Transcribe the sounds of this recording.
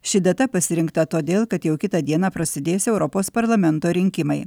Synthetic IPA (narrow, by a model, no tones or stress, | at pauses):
ʃʲɪd̪ʲɐt̪ɐpɐsʲɪɾʲɪŋkt̪ɐt̪oːd̪ʲeːlˠkɐt̪jɛʊkʲɪt̪ɐd̪ʲiɛnɑːpɾɐsʲɪd̪ʲeːsʲɛʊɾɔpoːspɐɾlˠɐmʲɛnt̪oːɾʲɪŋʲkʲɪmɐɪ